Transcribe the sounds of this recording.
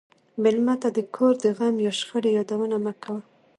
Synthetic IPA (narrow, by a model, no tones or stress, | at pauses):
mɪlmat̪ad̪əkʰoɾd̪əɣamjawʃxəɽejɑd̪awənaməkʰawə